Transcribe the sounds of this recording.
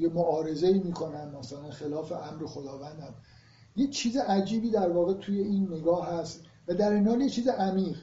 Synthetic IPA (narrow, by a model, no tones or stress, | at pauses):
jemoʔɒːɾe̞zeiːmiːkʰo̞næmːæsælænxelɒːfe̞ʔæmɾexod̪ɒːvænd̪æm | jet͡ʃʰiːzeʔæd͡ʒiːbiːd̪æɾvɒːɣet̪ʰuːje̞iːnːe̞ɡɒːɦæst̪ | væd̪æɾiːnɒːnjet͡ʃʰiːzeʔæmiːɢ